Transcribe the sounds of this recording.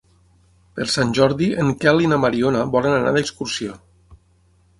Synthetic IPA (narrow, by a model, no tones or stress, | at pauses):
pəɾsanʲʒɔɾðiəŋkɛlinamaɾionaβɔlənana̰ðəkskuɾsio